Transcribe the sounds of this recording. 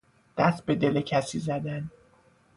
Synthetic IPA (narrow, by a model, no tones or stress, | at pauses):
d̪̥æst̪̚be̞d̪e̞lecʰæsizæd̪æn